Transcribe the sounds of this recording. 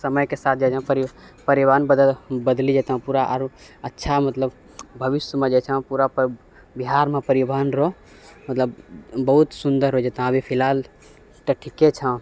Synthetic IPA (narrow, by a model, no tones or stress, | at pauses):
səməjkesat̪̚ʰd͡ʒat͡ʃʰə̃pəɾipəɾiʋaːnbəd̪əlbəd̪lid͡ʒɛt̪ɦə̃puɾaʔɾətːʃʰamət̪ləb | bʱəʋisjəmẽd͡ʒɛt͡ʃʰə̃puɾap | biɦaɾmepəɾibanɾɔ | mət̪ləbːəɦut̪sund̪əɾɦod͡ʒet̪ɦbipʰilɦal | ʈəʈʰiket͡ʃʰə̃